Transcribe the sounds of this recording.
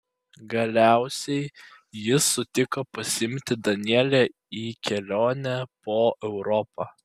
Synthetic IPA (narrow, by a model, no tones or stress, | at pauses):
ɡɐlʲæˑʊsʲɛɪ | jɪsʊt̪ʲɪkɐpɐsʲɪɪmʲt̪ʲɪd̪ɐnʲiɛlʲɛ | iːkʲɛlʲoːnʲɛpoːʔɛʊɾɔpɑː